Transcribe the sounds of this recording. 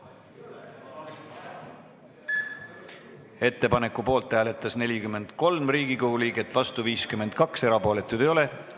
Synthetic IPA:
e̞t̪ːe̞pɑne̞kːˑupo̞ːlt̪ˑhæːle̞t̪ːˑɑsne̞lʲikyme̞nd̪̥ko̞lmriːɡ̥iko̞ɡ̥uliːɡe̞t̪ːˑvɑst̪uviːskyme̞nd̪̥̚kɑkse̞ɾɑpo̞ːle̞t̪ːˑud̪̥ejo̞le̞

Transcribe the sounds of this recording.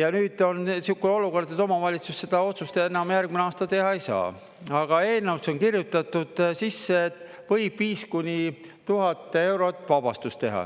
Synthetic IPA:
jɑnyːd̪̥o̞nsikːˑuo̞luko̞rd̪et̪ːˑo̞mɑvɑlʲit̪susse̞d̪̥ɑo̞t̪sust̪eenɑmjærɡ̥mineɑːst̪ɑt̪e̞ɦɑejsɑ̰ː | ɑɡ̥ɑe̞ːlnɑwso̞nkirjut̪ːˑɑt̪ːud̪̥sisːeet̪ːˑvɤjb̥ːiːskunʲi | t̪uɦɑt̪ːˑee̞wɾo̞t̪ːˑvɑb̥ɑ̰st̪ust̪e̞ɦɑ̰

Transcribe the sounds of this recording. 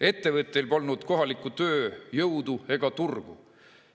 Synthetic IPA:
e̞t̪ːe̞vɤt̪ːˑejlpɑlnud̪̥ko̞ɦɑlikːˑut̪ø̞ːjɤwd̪̥ue̞ɡ̥ɑt̪urɡ̥ṵ

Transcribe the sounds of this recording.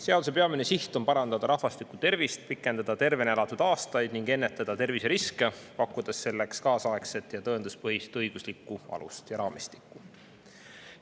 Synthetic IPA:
se̞ɑd̪use̞pe̞ɑminesiht̪ˑompɑɾɑnd̪̥ɑd̪̥ɑɾɑhvɑst̪ikːˑut̪e̞rvist̪̚pikːˑe̞nd̪ɑd̪ɑt̪e̞rve̞nelɑt̪ːˑud̪̥ɑːst̪ɑjd̪̥niŋɡ̥e̞nːet̪ːˑɑd̪̥ɑt̪e̞rvise̞ɾiske̞pɑkːˑud̪̥ɑsːe̞lːekskɑːsɑekse̞t̪ˑjɑt̪ɤend̪̥uspɤɦist̪ɤjɡ̥uslikːˑuɑ̰lṵst̪jɑɾɑːmist̪i̥kːˑu

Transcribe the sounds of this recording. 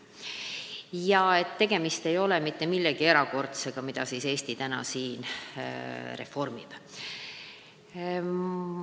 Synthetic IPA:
jɑe̞t̪ːe̞ɡ̥e̞mist̪e̞jo̞lemit̪ːe̞milːeɡ̥ie̞ɾɑko̞rt̪se̞ɡ̥ɑmid̪̥ɑsise̞ːst̪it̪ænɑ̰siːn | re̞fo̞rmib̥

